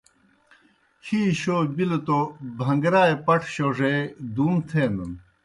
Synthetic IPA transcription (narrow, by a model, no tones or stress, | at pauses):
hiːɕobilot̪obʱɐŋɡɾaːepɐʈʰɕoʐed̪uːnt̪ʰeːnun